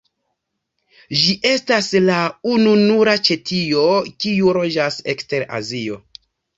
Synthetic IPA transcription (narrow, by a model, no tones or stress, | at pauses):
ʒiʔe̞staslaununuɾat͡ʃe̞tʰio̞kiuɾo̞d͡ʒase̞kste̞ɾa̰zio̞̰